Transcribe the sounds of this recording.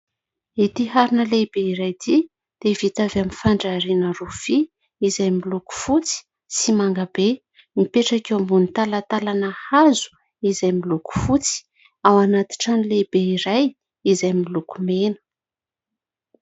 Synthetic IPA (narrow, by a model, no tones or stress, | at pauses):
it̪iɦaɾinəlebeiɾajd̪i | d̪̥evit̪avamifaɳɖ͡ʐaɾinəruv̥i | izajmiluku̥fut͡si̥ | simaŋɡabe | mipeʈ͡ʂakewambunit̪alat̪alanəhazu̥ | izajmiluku̥fut͡si̥ | awanat̪i̥ʈ͡ʂanilebeiɾaj | izajmilukumenə̥